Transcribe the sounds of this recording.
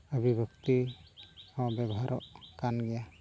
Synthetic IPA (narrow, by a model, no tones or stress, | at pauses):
əbʱibɔk̚t̪i | ɔbɛbɔɦaɾʔɔʔkanɡɛja